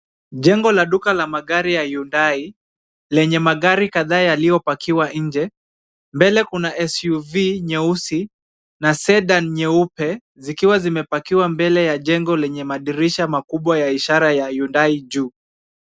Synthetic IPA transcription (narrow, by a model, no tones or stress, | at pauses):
ʄɛŋɡɔlaɗukalamaɠaɾijajundai | lɛɲɛmaɠaɾikaðaːjalijɔpakiwaɲ̩d͡ʒɛ | mbɛlɛkunaʔɛsjuviɲɛusi | nasɛɗanɲɛupɛ | zikiwazimɛpakiwambɛlɛjaʄɛŋɡɔlɛɲɛmaɗiɾiʃamakuɓwajaiʃaɾajajundaiʄuː